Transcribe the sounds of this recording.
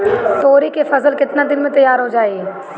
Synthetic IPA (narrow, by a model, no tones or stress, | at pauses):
t̪oːɾikefɐzəlkɪt̪nad̪ɪnmẽt̪ɐjaːɾɦod͡ʒaːeɡ